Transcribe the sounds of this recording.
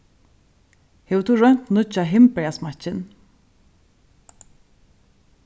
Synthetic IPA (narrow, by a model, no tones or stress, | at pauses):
hɛvt̪ʰuːɾœn̥t̪nʊt͡ʃaɦɪmpɛasmat͡ʃɪn